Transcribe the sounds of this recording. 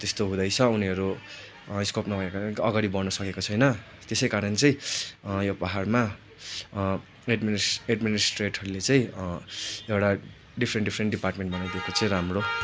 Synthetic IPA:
t̪est̪oɦũd̪ʌjt͡sʰʌuniɦʌɾu | iskopnʌbʱʌekaʌɡaɽibʌrnʌsʌkekot͡sʰʌjnʌ | t̪esʌjkaɾʌnt͡sʌĩjobaɦarma | eɖmieɖminisʈreʈɦʌɾulet͡saĩ | ewʈa | ɖipʰrenʈɖipʰɾeɳʈɖiparʈmẽɳʈbʌnajd̪iekot͡sʌĩɾamro

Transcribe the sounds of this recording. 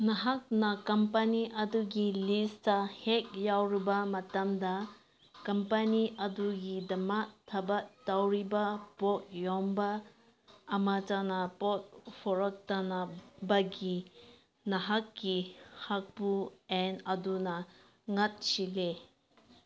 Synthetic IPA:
nɐɦak̚nɐkɐmpɐniʔɐduɡilistɐhek̚jawɾibɐmɐtɐmdɐ | kɐmpaniʔɐduɡidɐmak̚tʰːɐbɐktawɾibɐpɔt̚jɔmbɐː | matanɐpɔt̚pʰɔɾɔk̚tanabɐɡi | nɐɦakːihak̚puenɐdunɐ | ŋɐt̚sile

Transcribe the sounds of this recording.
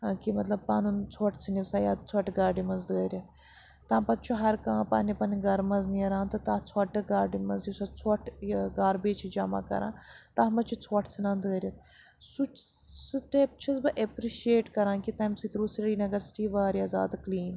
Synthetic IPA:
kimɐt̪lɐb̚paːnunt͡sʰoːʈʰt͡sʰiniʋsaːjaːt̪t͡sʰoːʈɡaːɾɖimɐnzd̪əːɾjɐt̪ | t̪ãːpɐt̪̚t͡ʃʰuɦɐɾkãːpaːnipɐnɡɐɾmɐzniɐɾãːnt̪ɐt̪aːt͡sʰoːʈɨɡaːɾɖimɐzjisɐt͡sʰoʈʰɡaːɾbeːt͡ʃʰid͡ʒaːma̰ːkɐ̰ɾã̰ːnt̪aːɦmɐt͡ʃʰit͡sʰoːʈʰt͡sʰinãːnd̪əəɾʲɐt̪̚ʰ | sut͡ʃsʈep̚t͡ʃʰɐzbɨʔepɾiʃieːʈkɐɾãːkit̪ɐːmsit̪ɾuːsɾɽiːnɐɡɐɾsʈiːʋaːɾiaza̰ːd̪kliːn

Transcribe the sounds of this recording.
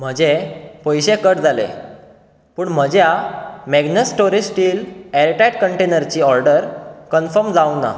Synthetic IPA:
m̤əd͡ʑepəjɕekəʈd͡zʱalḛ | puːɳm̤əd͡ʑjamɛɡnəsʈoɾisʈiːlɛɾʈajʈkəɳʈenəɾt͡ɕiɔɾɖəɾkənfəɾmd͡zawna̰

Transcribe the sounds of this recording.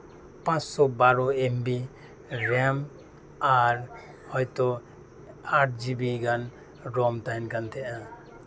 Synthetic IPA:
pãt͡ʃsɔbaɾɔembi | ɾɛm | aɾ | hɔjt̪ɔ | aʈd͡ʒibiɡan | ɾɔmt̪aɦinkant̪ʰɛʔa

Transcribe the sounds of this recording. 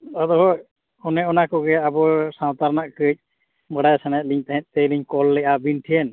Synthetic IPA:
ɔd̪ɔɦɔ | ɔnɛɔnakɔɡɛabɔsãw̃t̪aɾnaʔkəc̚ˀ | bəɽajsanat̪̚ˀliɲt̪aɦɛ̃t̪̚t̪ejliɲkɔlːɛʔabinʈʰiɛn

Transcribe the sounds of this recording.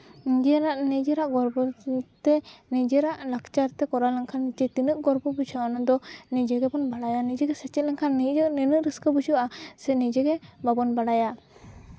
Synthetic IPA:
nid͡ʒɛɾaʔnid͡ʒɛɾaʔɡɔɾbɔt̪ɛnid͡ʒɛɾaʔlakt͡ʃaɾt̪ɛkɔɾalaŋkʰanːit͡ʃɛt̪inəʔɡɔɾbɔbut͡ʃʰawanad̪ɔnid͡ʒɛɡɛbɔnbaɽajanid͡ʒɛɡɛsɛt͡ʃɛt̪̚lɛŋkʰanːid͡ʒənɛnəʔɾəskəbut͡ʃuasɛnid͡ʒɛɡɛbabɔnbaɽaja

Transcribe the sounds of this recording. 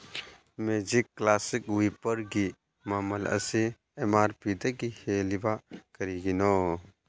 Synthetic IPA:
meːd͡ʒikːlaːsikuipɐɾɡi | maːmɐlɐ̰se | emaːɾpid̪ɐɡiheːlibakɐɾiɡino

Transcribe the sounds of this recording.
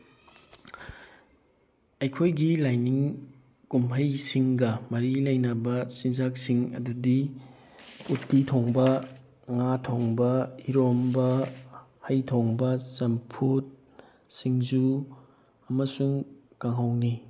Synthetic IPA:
ɐjkʰojɡilajniŋ | kumʰɐjsiŋɡɐmɐɾilɐjnɐbɐsinzak̚siŋɐ̰dudi | utːitʰoŋbɐ | ŋatʰoŋbɐiɾombɐ | hɐjtʰoŋbɐsɐmpʰut̚ | siŋzu | ɐmɐsuŋ | kaŋɦawni

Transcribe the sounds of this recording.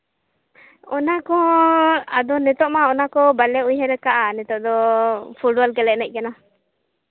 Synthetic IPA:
ɔnakɔ | ad̪ɔnɛt̪ɔʔmaɔnakɔbalɛujɦɛɾɛkaʔanɛt̪ɔʔd̪ɔpʰulɖbɔlkɛlɛʔ̚nɛc̚ˀkɛna

